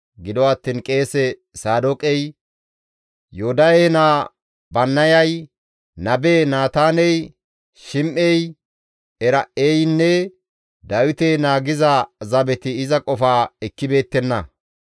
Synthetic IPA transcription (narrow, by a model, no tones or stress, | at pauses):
ɡɪd̪ɔwɐt̪ːiːnkʼe̞ːsɛsaːd̪ɔkʼɛj | joʊd̪ɐjenaː | bɐnːɐjɐj | nɐbeːnaːt̪aːnɛj | ʃɪmʔɛj | ɛɾɐʔejnːɛ | d̪ɐwɪt̪enaːɡɪzɐzɐbɛt̪ɪɪzɐkʼɔfaːɛkːɪbe̞ːt̪ːɛnːɐ